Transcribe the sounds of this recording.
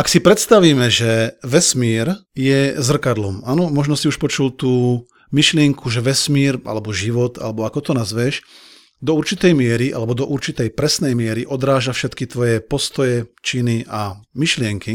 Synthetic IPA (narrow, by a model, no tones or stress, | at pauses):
aksipɾɛt̪st̪aʋiːmɛʒɛʋɛsmiːɾjɛzr̩kad̪lɔmaːnɔmɔʒnɔsiuʃpɔt͡ʃult̪uː | miʃlɪɛŋkʰuʒɛʋɛsmiːɾa̰lɛbɔʒiʋɔt̪a̰lɛbɔakɔt̪ɔnazʋɛʃ | d̪ɔuɾt͡ʃit̪ɛjmɪɛɾiʔa̰lɛbɔd̪ɔʔuɾt͡ʃit̪ɛjpɾɛsnɛjmɪɛɾiʔɔd̪ɾaːʒafʃɛt̪kit̪ʋɔjɛpɔst̪ɔjɛt͡ʃiniʔamiʃlɪɛŋki